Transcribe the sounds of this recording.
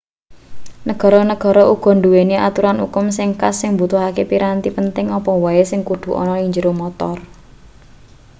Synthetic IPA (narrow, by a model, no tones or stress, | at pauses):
nəɡ̥ɔ̤ɾɔnəɡ̥ɔ̤ɾɔʔuɡ̥ɔ̤nduweniat̪uɾanṵkʊmsɪŋkasːɪŋbut̪ʊɦakepiɾant̪ipənt̪ɪŋɔpɔwaesɪŋkud̪̥ṳʔɔ̰nɔiɲd͡ʒəɾomɔt̪ɔr